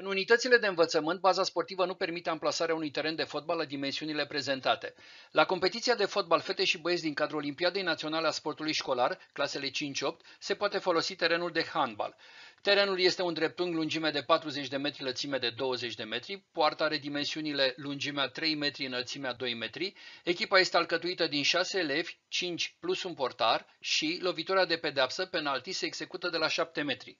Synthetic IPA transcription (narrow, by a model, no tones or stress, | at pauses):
ɨnunit̪ət̪sile̞d̪e̞ɨnvət̪səmɨnt̪̚bazaspo̞rt̪ivənupe̞rmit̪e̞amplasaɾeaunujt̪e̞ɾend̪e̞fo̞t̪̚balːad̪ime̞nsiunile̞pɾe̞ze̞nt̪at̪e̞ | lako̞mpe̞t̪it̪siad̪e̞fo̞t̪̚balfe̞t̪eʃiboes̬ʲd̪iŋkad̪ɾuo̞limpiad̪e̞jnat̪sio̞naleaspo̞rt̪ulujʃko̞larklase̞le̞t͡ʃint͡ʃʲo̞p̚t̪ʲse̞poat̪e̞fo̞lo̞sit̪e̞ɾe̞nuld̪e̞xanba̰lt̪e̞ɾe̞nulje̞st̪e̞und̪ɾe̞p̚t̪uŋlund͡ʒime̞d̪e̞pat̪ɾuze̞t͡ʃʲd̪e̞me̞t̪ɾilət̪sime̞d̪e̞d̪o̞wəze̞t͡ʃʲd̪e̞me̞t̪ɾipoart̪əaɾe̞d̪ime̞nsiunile̞lund͡ʒimeat̪ɾe̞jme̞t̪ɾiɨnəlt̪simead̪o̞jme̞t̪ɾie̞kʲipaje̞st̪ealkət̪uit̪əd̪inʃase̞ːle̞vʲt͡ʃint͡ʃʲplusumpo̞rt̪ar | ʃilo̞vit̪uɾead̪e̞pe̞d̪eapsəpe̞nalt̪iseːɡz̥e̞kut̪əd̪e̞laʃap̚t̪e̞me̞t̪ɾi